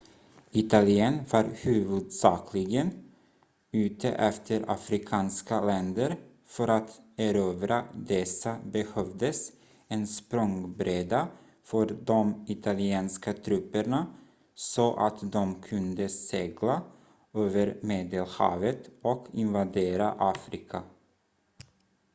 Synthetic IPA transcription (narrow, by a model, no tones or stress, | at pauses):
ɪt̪alɪɛnvɑɾhʉ̟ːvɵd̪sɑːkʰlɪɡən | ʉ̟ːt̪ʰə̰ʔɛft̪ʰəɾa̰fɾɪkʰɑːnskalɛnd̪əɾ | fœɾat̪æɾøːvɾad̪ɛsːabɛhœvd̪əs | ɛnspɾɔŋbɾeːd̪a | fœɾd̪ɔmɪt̪ʰalɪɛːnskat̪ʰɾʉpːəɳa | sɔʔa̰t̪d̪ɔmkʰɵnd̪əseːɡla | øːvəɾmeːd̪əlhɑ̰ːvət̪ɔkʰɪnvad̪eːɾaʔɑːfɾɪkʰa